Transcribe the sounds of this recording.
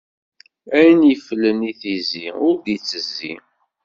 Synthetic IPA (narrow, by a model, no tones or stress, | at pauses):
æjənjəfələniθiziʊɾðit͡sːəzːḭ